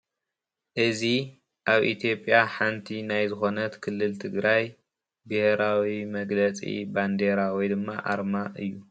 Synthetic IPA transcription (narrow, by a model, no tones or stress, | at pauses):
ʔɨzi | ʔaβʔḭt̪ʰjo̞pʼjaħant̪ʰinajzɨxo̞nɐt̪kʰɨlːɨlt̪ʰɨɡɾaj | bɨhɾawimɐɡlɐt͡sʼḭband̪eɾawɔjd̪ɨmːa̰ʔa̰ɾmaʔɨ̰jːu